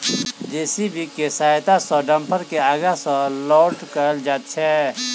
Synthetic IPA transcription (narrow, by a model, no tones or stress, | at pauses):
d͡ʒɛːsibʱikesaːjt̪asɔɖɐ̃mpʰəɾkeaːɡasɔlɔːʈkɐəld͡ʒaːt̪t͡ʃʰɛː